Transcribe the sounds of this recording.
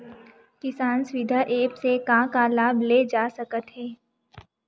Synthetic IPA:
kɪsaːnswɪd̪ʱaʔeːpsekãːkalaːbleːd͡ʒaːsəkət̪ɦɛː

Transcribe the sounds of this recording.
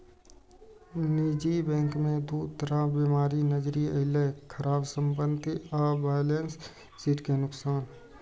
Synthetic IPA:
niːd͡ʒibɛ̃ːŋkmẽd̪uːt̪əɾabimaːɾinəd͡ʒɾiəɦɪlekʰəɾaːbsə̃mpənt̪iaːbaːjlens | siʈkenʊksaːn

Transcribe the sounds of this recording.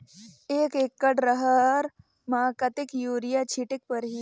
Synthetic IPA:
eːkeːkːəɽɾəɦəɾ | maːkɐt̪ikjuːɾijat͡ʃʰiʈik̚pəɾɦi

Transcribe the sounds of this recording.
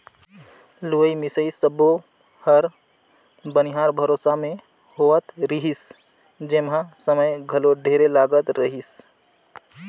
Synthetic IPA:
luəimɪsəisəbo | həɾ | bənɪɦaːɾbʱəɾoːsamẽ | ɦoːət̪ɾiɦis | d͡ʒeːmɦãsəməjɡʱəloɖʱeːɾelaːɡət̪ɾəɦis

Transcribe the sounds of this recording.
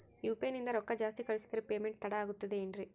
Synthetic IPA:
juːpeːnind̪ɐɾɔkːɐd͡ʒaːst̪ikɐɭisi̥t̪ɐɾipeːmeɳʈ̚t̪ɐɽaːɡut̪ːud̪eiɳɾi

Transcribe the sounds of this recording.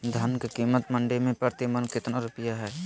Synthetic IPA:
d̪ʱɐnkekiːmət̪mɐ̃ɳɖemẽpəɾt̪imənkɪt̪naɾʊpəjaɦɛː

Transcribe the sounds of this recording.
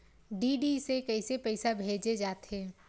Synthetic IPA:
ɖiːɖisekɐisepɛɪsabʱeːd͡ʒed͡ʒaːt̪ɦẽː

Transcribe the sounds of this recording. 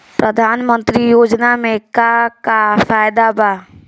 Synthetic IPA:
pɾəd̪ʱaːnmənt̪ɾijod͡ʒnamekakafajd̪aba

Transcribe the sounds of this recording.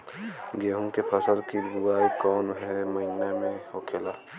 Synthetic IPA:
ɡeːɦũkepʰəsəlkiɾuaːikɔːnɦɛməɪnamẽɦokʰeːlaː

